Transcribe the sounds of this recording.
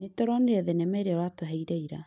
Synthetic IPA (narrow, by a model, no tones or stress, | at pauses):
netɔɾɔndeɛðɛnɛmɛɾeɔɾwatoɦɛiɾaiɾa